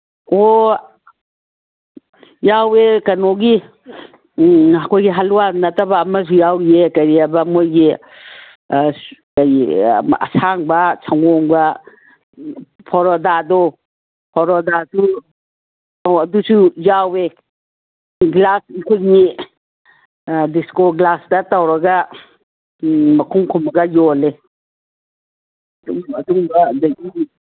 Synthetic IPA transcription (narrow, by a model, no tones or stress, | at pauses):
o | jawekɐnoɡi | akʰojɡiɦaluwanɐtɐbaːmɐs̬ujawɾiekɐjɾiabɐmojɡi | kajɐ̰sʰaŋbɐsʰaŋɡɔŋbɐ | pʰɔɾɔdadɔ | pʰɔɾɔdasu | wɐdusujawe | ɡlasŋkʰojni | diskoɡlasdatawɾɐɡɐ | mɐkʰuŋkʰumɐɡɐjɔle | duŋɐduŋbɐdaɡi